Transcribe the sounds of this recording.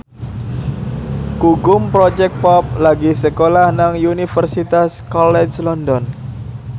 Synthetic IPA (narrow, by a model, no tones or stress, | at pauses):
kuɡʊmpɾɔd͡ʒɛk̪̚pɔp̚laɡisəkolahnaŋjunifərsit̪askɔlɛd͡ʒlɔndɔn